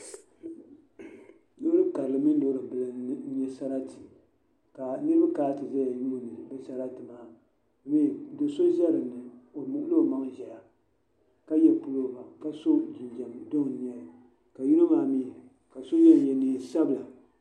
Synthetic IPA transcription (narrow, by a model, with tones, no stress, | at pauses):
do˦ɾɨ˦ka˨ɾɨ˨lɨ˨mɨ˦n˦doː˦ɾɨ˨bɨ˨lɨ˦ɨ˦ɲɛ˦sa˦ɾa˦ti˨ | ka˨nɨ˦ɾɨ˦ba˦kaː˦tɨ˨za˦ja˨ju˦˨nɨ˨bɛ˦sa˦ɾa˦tɨ˨maː˦˨ | mi˦˨˦do˨so˦ʒa˦ɾɨ˨nɨ˨o˨mʊ˨ʔʊ˦lo˦˨ma˦ŋʒɛ˨la˨ | ka˦jɛ˨pu˦lo˦ba˨ka˦so˦d͡ʒi˨nd͡ʒa˨mdo˦ŋ˨n˦ɛ˦˨ | ka˨ju˦nu˦maː˨miː˦˨ | ka˨so˦jɛ˦˨jɛ˨niː˦˨sa˦bɨ˨la˨